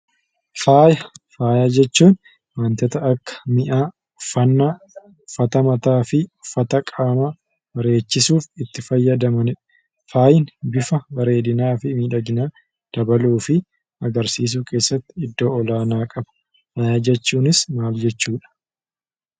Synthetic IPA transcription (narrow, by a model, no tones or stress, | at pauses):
faːjɐfaːjad͡ʒɛt͡ʃːuːn | mɐnt̪ɛt̪ɐːkːɐ̥mɪʔaː | fɐnːa | ʊfːɐt̪ɐmɐt̪aːfɪʊfːɐt̪ɐkʼaːma | bɐɾe̞ːt͡ʃːɪsuːfɪt̪ːɪfɐjːɐd̪ɐmɐnɪᶑ | faːjɪnbɪfɐbɐɾe̞ːd̪ɪnaːfɪmiːᶑɐɡɪnaː | d̪̥ɐbɐluːfɪ | ɐɡɐɾsiːs̬uːke̞ːsːɐt̪ːɪɪd̪ːo̞ːɔlaːnaːkʼɐbɐ̥ | faːjad͡ʒɛt͡ʃːuːnɪsmaːld͡ʒɛt͡ʃːuːᶑɐ̥